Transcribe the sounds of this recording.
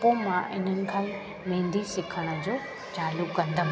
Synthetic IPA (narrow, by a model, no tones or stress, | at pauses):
põmãɪ̰n̤ənɪ̆kʰãːi | mẽːn̆d̪ʱisɪkʰəɽ̃ə̆d͡ʑoː | t͡ɕaːlʊkːɐ̃nd̪əm